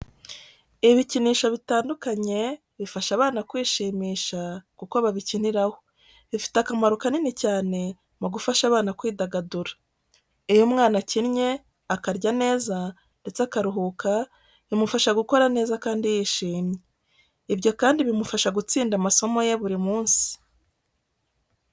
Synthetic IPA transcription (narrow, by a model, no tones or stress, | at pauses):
iβiciniːʃaβitaːndukaɲe̞ | βifaʃaβaːnakwiːʃiːmiːʃakukoβaβiciniɾaho̞ | βifi̥takamaɾukaninecaːne̞ | muɡufaʃaβaːnakwiːdaɡaduɾḁ | ejomŋaːnacinɲe̞ | akaɾɟane̞ːza | nde̞t͡seakaɾuɦuka | βimufaʃaɡuko̞ɾane̞ːzakaːndijiːʃiːmɲe | ibɟo̞kaːndiβimufaʃaɡut͡siːndamaso̞mo̞je̞βuɾimuːnsi̥